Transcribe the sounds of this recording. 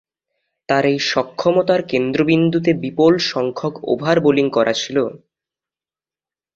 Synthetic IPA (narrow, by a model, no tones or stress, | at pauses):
t̪aɾejʃɔkʰːɔmot̪aɾkend̪ɾobind̪ʱut̪ebipolʃɔŋkʰoko̰bʱaɾboliŋkɔɾʔa̰t͡ɕʰilo